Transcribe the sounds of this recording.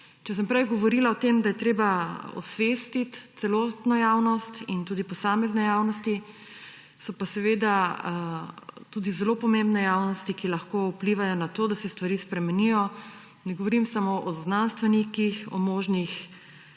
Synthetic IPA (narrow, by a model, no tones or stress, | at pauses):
t͡ʃɛs̬ɛmpɾɛjɡɔʋɔɾiːlaɔt̪emd̪ajɛt̪ɾeːbaɔ̰sʋest̪it̪t̪sɛloːt̪nɔjawnɔst̪int̪uːd̪ipɔsaːmɛznɛjawnɔst̪i | sɔpasɛʋeːd̪a | t̪uːd̪izɛlopɔmẽmbnɛjaːwnɔst̪ikilaxkoupliːʋajɔnat̪oːd̪asɛst̪ʋaɾiːspɾɛmɛnijɔ | nɛɡoʋɔɾimsamoʔɔznanst̪ʋɛnikixɔ̰moːʒnix